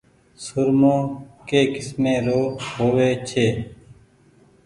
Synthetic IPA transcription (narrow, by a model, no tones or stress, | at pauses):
sʊɾmõːkeːkɪsmẽːɾoːɦoːʋeːt͡ʃʰeː